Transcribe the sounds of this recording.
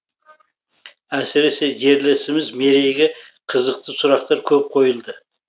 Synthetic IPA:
æsɪɾe̞se̞ʒe̞ɾlɪsɪmɪzme̞ɾe̞jɡʲɪ | qʰəzəq̚t̪ʰəsʊɾɑqt̪ɑɾkʲʰɵp̚qʰo̞jəlˠd̪ə

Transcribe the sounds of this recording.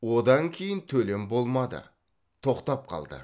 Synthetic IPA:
wod̪ɑŋkʲʰe̞jɪnt̪ʰɵle̞mbo̞lˠmɑd̪ə̰ | t̪ʰo̞qt̪ɑp̚qʰɑ̰lˠd̪ə̰

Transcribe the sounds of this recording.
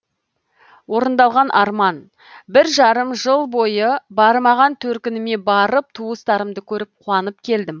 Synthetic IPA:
wo̞ɾənd̪ɑlˠʁɑnʔɑɾmɑn | bɪɾʒɑɾəmʒəlˠbo̞jəbɑɾmɑʁɑnt̪ʰɵɾkʲɪnɪme̞bɑɾəp̚t̪ʰuəst̪ɑɾəmd̪əkʲʰɵɾɪp̚qʰuɑnəp̚kʲʰe̞ld̪ɪm

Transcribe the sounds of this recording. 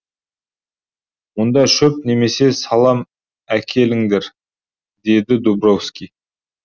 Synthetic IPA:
mond̪ɑʃɵp̚ne̞me̞se̞sɑlˠɑm | ækʲʰe̞lɪŋd̪eɾ | d̪e̞d̪ɪd̪ubrofskʲi

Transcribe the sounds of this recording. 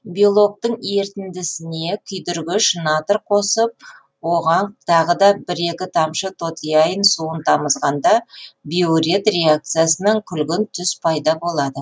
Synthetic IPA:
bijolˠo̞k̚t̪əɴe̞ɾt̪ɪnd̪ɪsɪne̞kʲʰʏjd̪ʏɾɡʲɪʃnɑt̪əɾqʰo̞səp̚ | wo̞ʁɑnt̪ʰɑʁəd̪ɑbɪɾe̞kʲɪt̪ʰɑmʃət̪ʰo̞t̪ijɑjənsuənt̪ʰɑməzʁɑnd̪ɑbioɾet̪re̞ak̚t̪sɨjasənəɴkʲʰʏlɡʲɪnt̪ʰʏspʰɑjd̪ɑbo̞lˠɑd̪ə

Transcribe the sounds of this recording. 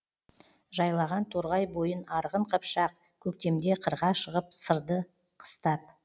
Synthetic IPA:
ʒɑjlˠɑʁɑnt̪ʰoɾʁɑjbo̞jənɑɾʁəɴqʰəpʃɑq̚ | kʲʰɵk̚t̪e̞md̪e̞qʰəɾʁɑʃəʁəpsəɾd̪ə | qʰə̥st̪ɑp̚

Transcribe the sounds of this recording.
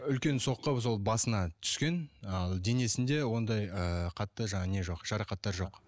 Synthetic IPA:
ʏlkʲe̞nso̞qːəps̬o̞lˠbɑsənɑt̪ʰʏ̥skʲe̞nɑlˠd̪e̞ne̞sɪnd̪e̞wo̞nd̪ɑjəqʰɑt̪ːəʒɑɴɑne̞ʒo̞qʒ̥ɑɾɑqɑt̪ːɑɾʒo̞q

